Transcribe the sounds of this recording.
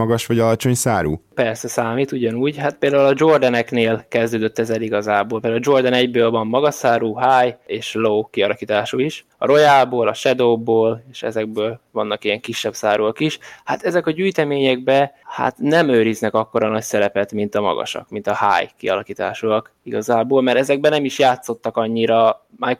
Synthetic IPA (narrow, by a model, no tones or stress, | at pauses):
ɒɡɒʃʋɒɟɒlɒt͡ʃo̞ɲsaːɾṵːpɛrsɛsaːmit̪uɟɒnuːɟɦat̪peːld̪aːulɒd͡ʒo̞rd̪ɛnɛkneːlkɛzd̪øːd̪øt̪ːɛzɛliɡɒzaːboːlpeld̪aulɒd͡ʒo̞rd̪ɛnɛɟbøːlvɒmːɒɡɒsaːɾuːɦaːjeːʃloːkiɒlɒkiːt̪aːʃuiʃ | ɒ̰ɾo̞jaːboːlɒʃɛd̪oːboːleːʃɛ̰zɛɡ̚bøːlvɒnːɒkijɛŋkiʃːɛbsaːɾuɒkiʃha̰t̪ɛzɛkɒɟyːjt̪ɛmeːɲɛɡ̚bɛha̰t̪nɛmøːɾiznɛkɒkːo̞ɾɒnɒcsɛɾɛpɛt̪mint̪ɒmɒ̰ɡɒ̰ʃɒ̰kmint̪ɒha̰ːjkḭɒlɒkiːt̪a̰ːʃuɒkiɡɒzaːboːlmɛɾɛzɛɡ̚bɛnɛmiʃjaːt̪so̞t̪ːɒkɒɲːiɾɒmaj